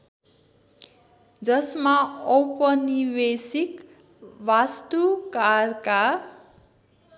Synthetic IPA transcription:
d͡zʌsmaʌwpʌniwesik | wast̪ukarka

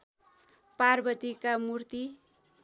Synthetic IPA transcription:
parbʌt̪ikamurt̪i

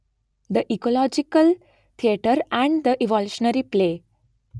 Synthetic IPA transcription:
d̪əʔikolɔd͡ʒikəl | t̪ʰieʈəɾɛ̃ɳɖd̪əʔiʋɔluʃənəɾiple

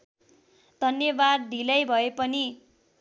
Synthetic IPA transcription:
d̪̥ʱʌnjʌbad̪̚ːʱilʌjbʱʌepʌni

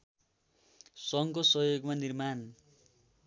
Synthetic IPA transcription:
sʌŋkosʌjoɡmanirman

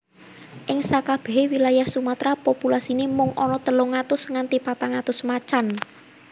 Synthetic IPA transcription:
ʔɪŋsakab̥ɛ̤ɦewilajahsumat̪ɾapopulasinimʊŋʔɔnɔt̪əlʊŋat̪ʊsŋant̪ipat̪aŋat̪ʊsmat͡ʃan

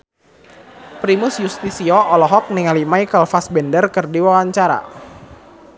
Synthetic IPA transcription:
pɾimʊsjust̪isiɔʔɔlɔɦɔk̚niŋalimaikalfasbɛndərkərdiwawaɲt͡ʃaɾa̰

